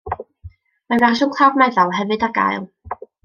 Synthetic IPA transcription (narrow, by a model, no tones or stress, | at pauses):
maraʃɔnkʰl̥ˠavmɛðɔlˠɦɛvɨdaɡa̰jlˠ